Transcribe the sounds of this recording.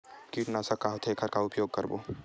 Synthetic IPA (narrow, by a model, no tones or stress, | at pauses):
kiːʈnasɐkaɦot̪ʰekʰɐɾkaʊpjoːɡ̚kɐɾbo̰ː